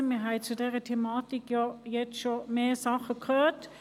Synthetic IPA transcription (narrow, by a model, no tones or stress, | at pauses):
ɪməɦæɪtt͡sudeːʁət̪ʰemɑːt̪ɪkjɑjɛt͡sʃomeːɐsɑχəkʰøːt